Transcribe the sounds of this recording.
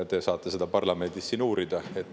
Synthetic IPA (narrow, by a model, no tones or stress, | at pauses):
t̪e̞sɑːt̪ˑːe̞se̞d̪ɑpɑrlɑme̞nd̪̥isːinuːɾid̪ɑe̞t̪ː